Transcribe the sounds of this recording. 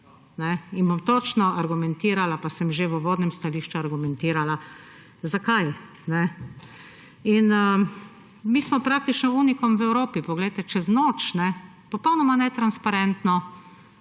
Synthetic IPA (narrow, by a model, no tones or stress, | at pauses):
nɛinbomt̪ot͡ʃnɔʔaɾɡumɛnt̪iːɾalapasɛmʒeʋəʋoːd̪nɛmst̪aliːʃt͡ʃuaɾɡumɛnt̪iːɾala | zakaj | nɛ | inə | miːsmɔpɾak̚t̪it͡ʃnɔunikɔmʋɛwɾoːpipɔɡlɛjt̪ɛt͡ʃɛznoːt͡ʃnɛ | pɔpɔwnɔmanɛt̪ɾanspaɾɛnt̪nɔ